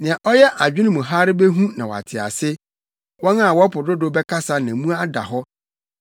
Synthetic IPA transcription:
nɪ̃˨ã˨ʔɔ˦jɛ˦ʔa˨d͡ʑᶣɪ̃˦ñ˦mũ˨ɦa˦ɾɪ˦be˦ɦũ˦nã˨wɔ̰˨a̰˨tʰɪ˨a̰˨sɪ˦ | wɔ̃˦na˦˨wɔ˦pʊ˨dʊ˦dʊ˦bɛ˦kʰa˦sa˦nã˨mũ˦a˦da̰˨ɦɔ˦

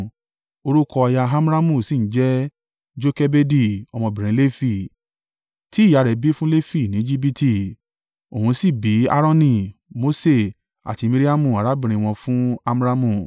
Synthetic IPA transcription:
o˧ɾu˦kɔ˧a˧ja˧ɦa˦m˦ɾa˦mũ˦˨si˦˨n̩˦d͡ʒɛ˦ | d͡ʒo˦ke˦be˦di˦˨ɔ˧mɔ̃˧bĩ˨ɾ̃ĩ˨˦le˦fi˦˨ | ti˨˦ja˨˧ɾɛ˨bi˦fũ˦le˦fi˦˨nĩ˨˦d͡ʒi˦bi˦ti˦˨ | o˨ũ˧si˦˨bi˨˦a̰˦ɾɔ̃˦nĩ˧˨mo˦se˦˨ | a̰˨ti˧mi˦ɾi˦a˦mũ˦˨a˨ɾa˨˦bĩ˦˨ɾ̃ĩ˧w̃ɔ̃˧fũ˦a˦m˦ɾa˦mũ˦˨

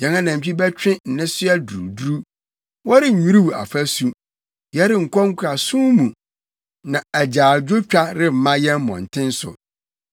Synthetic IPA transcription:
jɛ̃˨ŋã˦nã˨m̩˨t͡ɕi˦bɛ˦t͡ɕᶣɪ̃˦n̩˨nɪ̃˦sʊ˦ɛ˦du˨ɾu˨du˦ɾu˦ | wɔ˦ɾɪ˦˨ɲũ˦ɾu˦wu˨a̰˨fæ˦su˨ | jɛ˦ɾɪ˦ŋ̩˨kʷʰɔ˦ŋ̩˦kʷʰɾa˨sũ˦mũ˨ | nã˨æ˨d͡ʑaː˨d͡ʑᶣo˦t͡ɕᶣa˦ɾɪ˦m̩˨mã˦jɛ̃˦m˦mɔ̰̃˨n̩˨tʰɪ̃˦n˦sʊ̰˨

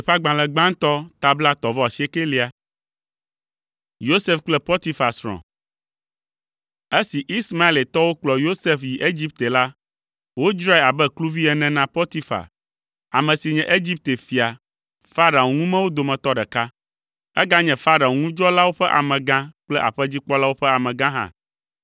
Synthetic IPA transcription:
e˨ɸa˦ɡ͡bã˨lɛ˨ɡ͡bã˦ŋ˦t̪ɔ˦t̪a˨bla˦t̪ɔ˨vɔ˦a˨si˦e˦ke˦li˦a˨ | jo˦se˦fk͡plɛ˦pɔ˦t̪i˦fa˨sɾɔ̰̃˨ | e˦si˨ʔi˦sma˦e˦˨le˨t̪ɔ˦wo˦k͡plɔ˨jo˦se˦fji˨ʔe˦d͡ʑi˦p̚t̪e˨la˦ | wo˦i˦d͡ʒɾa˦e˨a˨bɛ˦klu˦vi˦ɛ˦nɛ̃˦nã˦pɔ˦t̪i˦fa̰˨ | a̰˨mɛ̃˨si˨ɲɛ̃˨ʔe˦d͡ʑi˦p̚t̪e˨fi˨a˨ | fa˦ɾa˨o˨ŋũ˦mɛ̃˦wo˦d̪o˨mɛ̃˨t̪ɔ˦ɖɛ˨ka˦ | ɛ̰˦ɡa˦ɲɛ̃˨fa˦ɾa˨o˨ŋũ˦d͡ʒɔ˦la˦wo˦ɸɛ˦ʔa̰˨mɛ̃˨ɡã˦k͡plɛ˦ʔa̰˨ɸɛ˦d͡ʑi˦k͡pɔ˦la˦wo˦ɸɛ˦a˨mɛ̃˨ɡã˦ɦã̰˨

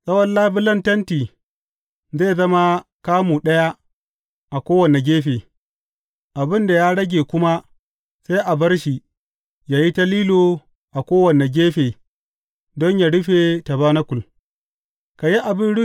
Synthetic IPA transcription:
sʼɐ˦wɐ˦nlaː˦bɪ˦lɐ˦ntɐ˦ntiː˨ | zeː˦˨zɐ˦ma˦kaː˦mu˨ɗɐ˦ja˦ | ʔa˨kʷoː˦wɐ˨ne˨ɡʲeː˦ɸeː˨ | ʔa˨bɪ˦nda˨ja˦ɽɐ˦ɡʲeː˨kʷʊ˦ma˦ | sa˦jʔa˨bɐ˦rʃi˨ | jaː˨ji˦ta˦liː˦lo˨ | ʔa˨kʷoː˦wɐ˨ne˨ɡʲeː˦ɸeː˨ | dɔ˦ɲja˨ɽʊ˦ɸe˨ta˨baː˦na˦kʷʊ˨l | ka˨ji˦ʔa˨bɪ˦nɽʊ˦

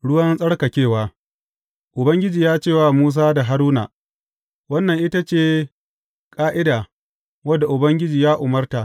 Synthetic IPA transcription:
ɽʊ˦wɐ˦nsʼɐ˦ɽkɐ˨kʲeː˦˨waː˦ | ʔʊ˨bɐ˦ŋɡʲɪ˦d͡ʒiː˨jaː˦t͡ʃeː˦˨waː˨muː˦s̬aː˦da˨ɦa˦ɾuː˦na˨ | wɐ˦nːɐ˨ŋʔɪ˦ta˦t͡ʃeː˦˨ | kʼaː˦ʔɪ˦daː˨ | wɐ˦dːa˨ʔʊ˨bɐ˦ŋɡʲɪ˦d͡ʒiː˨jaː˦ʔʊ˨mɐ˦rta˨

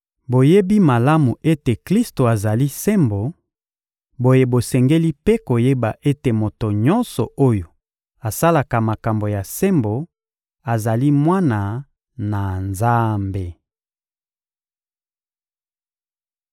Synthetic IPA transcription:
bo˨je˦bi˦ma˨la˦mu˨e˦te˨kli˦sto˨a˨za˨li˦se˦mbo˨ | bo˨je˨bo˨sɛ˨ŋɡe˦li˦pe˦ko˨je˦ba˨ʔe˦te˨mo˨to˨ɲɔ˦nsɔ˨ʔo˦jo˨ | a˨sa˦la˨ka˨ma˨ka˨mbo˨ja˨sɛ˦mbo˨ | a˨za˨li˦mwa˦na˨ | na˨nza˦mbe˨

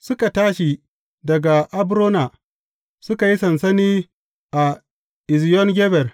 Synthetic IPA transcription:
sʊ˦ka˨taː˦ʃi˨ | dɐ˨ɡa˨ʔa˦bɾoː˦na˨ | sʊ˦ka˨ji˦sɐ˨nsɐ˦niː˦ | ʔa˨ | ʔɪ˨zjɔ˦nɡʲɛ˦bɛ˨r

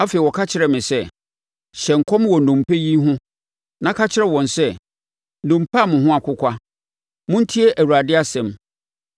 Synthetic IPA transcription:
a˦fe˨i˨wɔ˨kʰa˦t͡ɕʰɪ˦ɾɛ˨mɪ̃˨sɛ˦˨ | ɕɛ̃˨ŋ̩˨kʰɔ̃˦mwɔ˨nũ˨m˨pʰɛ˦ji˦ɦʊ̃˦ | nã˦kʰa˦t͡ɕʰɪ˦ɾɛ˦wɔ̃˨nsɛ˦˨ | dũ˨mpʰa˦˨mʊ̃˨ɦʊ̃˦a˨kʰʷʊ˦kʷa˦ | mʊ̃˦n̩˦tʰi˦e˦ʔæ˨wu˨ɾa˨dɪ˦a˦sɛ̃˨m

